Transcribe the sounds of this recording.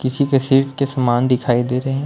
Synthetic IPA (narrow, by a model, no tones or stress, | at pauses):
kɪsikesiːʈkesɐmaːnɖɪkʰaːid̪eːɾɐɦɛ̃